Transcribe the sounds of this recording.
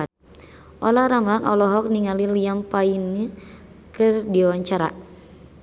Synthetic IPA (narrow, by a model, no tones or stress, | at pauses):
ʔɔlaɾamlanʔɔlɔɦɔk̚niŋalilijampaini | kɨrdiwaɲt͡ʃaɾa̰